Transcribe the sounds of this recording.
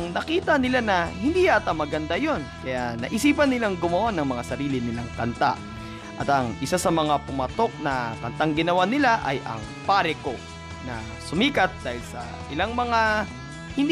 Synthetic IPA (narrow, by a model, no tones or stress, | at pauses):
ŋnɐkiːt̪ɐnɪlanɐhɪnd̪iːjaːt̪amɐɡɐnd̪ajo̞nkɐjanɐ̰ʔɪsiːpɐnɪlaŋɡʊmɐwanɐŋmɐŋasɐɾiːlɪnɪlaŋkɐnt̪a̰ | ʔɐt̪ɐŋʔɪsasɐmɐŋapʊmɐt̪o̞k̚nɐkɐnt̪aŋɡɪnɐwanɪlaʔɐ̰jʔɐ̰ŋ | paɾɛko̞ | nɐ̰ | sʊmiːkɐt̪̚d̪aːhɪlsɐ̰ | ʔɪlaŋmɐŋa | hɪnd̪